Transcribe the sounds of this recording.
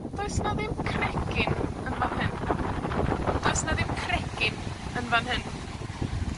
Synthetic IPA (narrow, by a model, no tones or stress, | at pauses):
d̥ɔjsnaðɪmkʰrɛkʰɪnənvanhɪn | d̥ɔjsnaðɪmkʰrɛkɪnənvanhɪn